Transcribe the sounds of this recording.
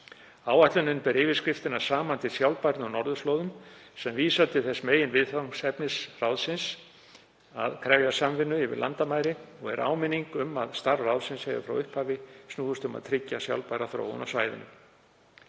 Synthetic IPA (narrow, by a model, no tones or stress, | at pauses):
aːwaht̪lʏnɪnpɛɾɪːvɪskɾɪft̪ɪnḁsaːmant̪ɪsjawlpajɾnɔwnɔɾðʏsloːwðʏmsɛmviːsat̪ʰɪθɛsmeːjɪnvɪðθasɛpnɪsrawðsɪns | a̰ðkʰɾɛwjasamvɪnːʏɪvɪ̰ɾla̰nt̪amaːjɾɪɔɣɛ̰ɾʔa̰ːwmɪniŋkʏma̰ðst̪arrawðsɪnsheːjva̰fɾa̰wʏhphaːvɪsnuːðʏst̪ʏma̰ðt̪ʰɾɪcːasja̰wlpajɾaθɾo̰ːwʏ̰nawsvaːjðɪ̰nʏ̰